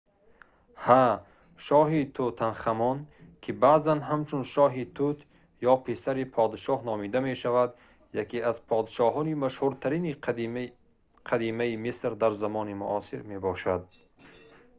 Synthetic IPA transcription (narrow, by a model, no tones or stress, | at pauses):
ha | ʃɔɦit̪ʰut̪ʰanχamɔnkʰibaʔzanɦamt͡ʃʰunʃɔːɦit̪ʰut̪ʰ | jɔpʰesaɾipʰɔd̪iʃɔhnɔːmid̪ameʃavad̪ | jakʰeazpʰɔd̪ʃɔɦɔnimaʃhuɾt̪ʰaɾini | qʰad̪imaimisɾd̪aɾzamɔːnimṵʔɔsiɾmebɔʃad̪̚